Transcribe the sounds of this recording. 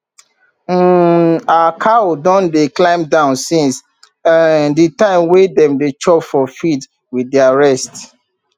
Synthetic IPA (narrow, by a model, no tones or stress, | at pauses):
akʰaodɔ̃ndeklãɪ̃mdãʊ̃nsĩns | ãnditãɪ̃mwedɛ̃mdet͡ʃɔpfɔfid | widiaɹɛst